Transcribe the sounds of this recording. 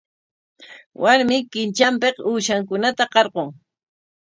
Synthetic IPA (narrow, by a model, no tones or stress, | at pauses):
wʔaɾmɪkɪnt͡ʃampequːʃaŋkʊnat̪aqɑɾqoŋ